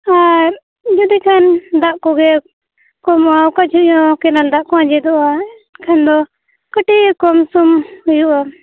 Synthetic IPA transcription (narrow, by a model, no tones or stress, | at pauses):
a | d͡ʒɔd̪ikʰand̪aʔkɔɡɛ | kɔmawkad͡ʒʰujɔ̃kɛnald̪aʔkɔãd͡ʒɛd̪ɔʔa | kʰand̪ɔ | kəʈikɔmsumhujuʔa